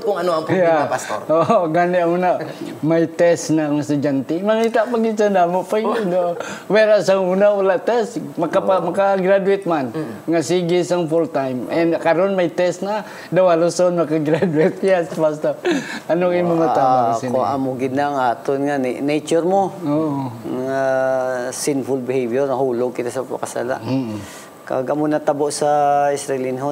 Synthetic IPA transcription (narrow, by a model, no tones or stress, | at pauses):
kʊŋanoapjapasoroʔɡaniamunamajt̪ɛsnaŋast̪ud͡ʒant̪imaŋit̪aʔpaɡisandamoʔpadowɛɾasaŋunaulaʔt̪ɛst̪makaamakaɡɾaduwɪt̪̚manŋasiɡisaŋfult̪ajmɛnkaɾɔnmajt̪ɛsna | d̪awalosonmɐkaɡɾad̪wɪt̪̚asbast̪aʔɐnoimoŋaabaasɪknoamoɡɪd̪̚naŋaːt̪onŋanet͡ʃʊɾmooʔoŋa | sɪnfʊlbɪhevjɛɾnɐhuːloɡ̚kɪt̪asɐpa̰kasa̰la̰ʔ̩ | ka̰ɡɐmonat̪aboʔsaɪsɾɛlɪnɦo